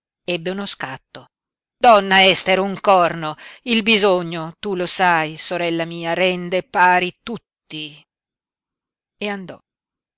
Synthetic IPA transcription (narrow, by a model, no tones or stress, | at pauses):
ɛbːeunoskat̪ːo | d̪ɔnːaɛst̪eɾuŋkɔrnoilbizoɲːot̪ulosajsoɾɛlːamiːaɾɛnd̪epːaːɾit̪ut̪ːi | eand̪ɔ